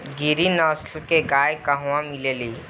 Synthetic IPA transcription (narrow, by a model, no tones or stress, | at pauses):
ɡiɾinɔːslkeɡaːjkaɦwãmɪleːliː